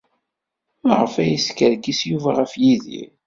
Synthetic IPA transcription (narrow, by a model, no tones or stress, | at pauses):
ʁəfæjiskəɾɡisjuvæʁəfjiðḭ